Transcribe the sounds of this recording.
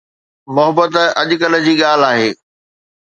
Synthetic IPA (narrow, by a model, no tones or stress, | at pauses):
mʊɦəbət̪ɐʄʊkɐlə̆d͡ʑiːɠaːl̤aːɦeː